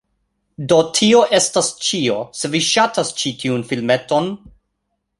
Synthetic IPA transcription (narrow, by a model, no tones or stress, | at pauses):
do̞tʰio̞ʔe̞stast͡ʃio̞se̞viʃatʰast͡ʃitʰiunfilme̞to̞n